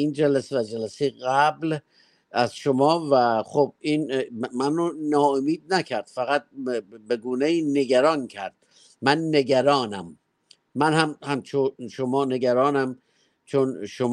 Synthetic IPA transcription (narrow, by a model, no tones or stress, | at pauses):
iːnd͡ʒælæsevæd͡ʒælæsejeɣæbl | ʔæzʃomɒːvæxob̚inmænonɒːomiːd̪̚nækʰæɾd̪̥fæɣæt̪̚be̞ɡuːnejiːne̞ɡæɾɒːncʰæɾd̪̥̚ | mænːe̞ɡæɾɒːnæmː | ænhæmhæmt͡ʃʰoʃomɒːne̞ɡæɾɒːnæm | t͡ʃʰonʃo